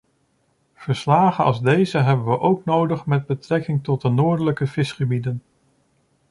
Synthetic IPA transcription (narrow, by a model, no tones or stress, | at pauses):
v̥əɹslaːχəɑ̰lˠzdejzəɦɛbənʋəʔowknowdəχmɛd̚bətrɛkɪŋtɔt̚dənʊːɹdələkəvɪsχəbidən